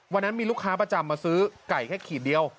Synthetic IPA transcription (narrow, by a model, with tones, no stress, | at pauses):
wa˧nːa˦˥nmiː˧lu˥˩kʰːaː˦˥pɾa˧t͡ɕa˧mːaː˧sɯː˦˥ka˨˩jkʰɛː˥˩kʰiː˨˩di˧əw